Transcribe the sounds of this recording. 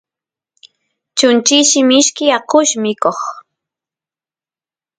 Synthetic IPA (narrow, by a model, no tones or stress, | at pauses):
t͡ʃʊnt͡ʃɪʃɪmɪʃkɪaqʊʃmɪkoχ